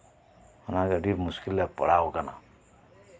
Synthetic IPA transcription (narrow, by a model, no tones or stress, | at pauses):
unakaɖipmuskilːapʌ̰ɽaokana̰